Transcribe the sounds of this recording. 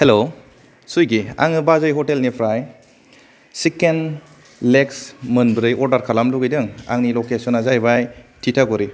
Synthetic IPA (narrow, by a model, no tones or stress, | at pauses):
helo | sujɡia̰ŋɯbazajɦɔtelnipʰɾaj | siken | leksmɯnbɾɯjʔɔɾdaɾkʰalamluɡijdɯŋa̰ŋnilɔkesɔnazajbajtʰitʰaɡɔɾi